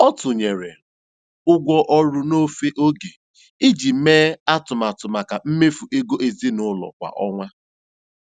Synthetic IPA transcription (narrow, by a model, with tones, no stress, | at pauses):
ɔ˦tʊ˨ɲe˨ɾḛ˨ | ʊ˦ɡʷɔ˦ʔɔ˦ɾʊ˦no˦fe˦ʔo˦ɡe˨ | i˦d͡ʒi˨˦meː˦a˦tʊ˨ma˨tʊ˨ma˨ka˨m̩˦me˦fu˨ʔe˦ɡo˦ʔe˨zi˦nʊ˦lɔ̰˨kʷa̰˨ʔɔ˦ŋʷa˦